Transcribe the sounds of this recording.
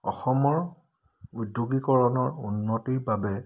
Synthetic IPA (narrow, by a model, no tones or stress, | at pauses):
ɔ̰xɔmɔɹ | udːuɡikɔɹɔnɔɹunːɔtiɹbabɛ